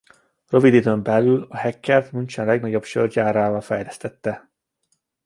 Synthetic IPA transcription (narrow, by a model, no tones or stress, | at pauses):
røvid̪id̪øːmbɛlːylɒhɛkːɛrt̪mynt͡ʃɛnlɛɡnɒɟo̞bʃørd͡ʒaːɾaːvɒlfɛjlɛst̪ɛt̪ːɛ